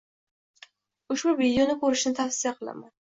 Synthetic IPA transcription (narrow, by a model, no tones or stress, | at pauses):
ʊʃbʊvid̪ejonɪkʰɵɾɪʃnɪt̪ʰafsijaqʰɨlˠa̰man